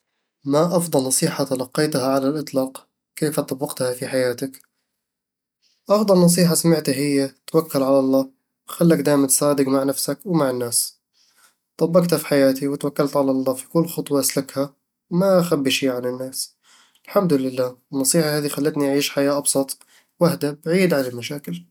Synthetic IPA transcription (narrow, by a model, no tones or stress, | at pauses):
maʔɑfd̪ˤɑlnɑsˤiːħat̪alɑqːɑjt̪haʕalalʔɨt̪ˤlɑːq | keːfat̪ˤɑbːɪɡt̪hafiħajaːt̪ak | ʔɑfd̪ˤɑlnɑs̬ˤiːħasamɪʕt̪aɦɪjːat̪wakːalʕalɑlˤːɑː | wxalːakd̪aːjmant̪sˤɑːd̪ɪɡmaʕnafsakwmaʕɪnːaːs | t̪ˤɑbːɑkt̪afi̥ħajaːt̪iwɪt̪wakːalt̪ʕalɑlˤːɑːfi̥kʊlːxʊt̪ˤwɑʔaslakha | wmaʔxabːiʃiːʕanɪnːaːs | ɪlħamd̪ʊlɪlːaːɪnːɑsˤiːħahaːd̪ixalːat̪niʔaʕiːʃħajaːʔɑbsˤɑt̪ˤ | wahd̪abʕiːd̪ʕanalmaʃaːkɪl